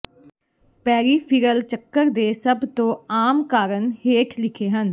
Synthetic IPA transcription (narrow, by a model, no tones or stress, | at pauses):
pɛːɾiːpʰɪɾəlt͡ʃəkːəɾd̪eːsəbt̪õːaːmkaːɾənheːʈʰlɪkʰeːɦən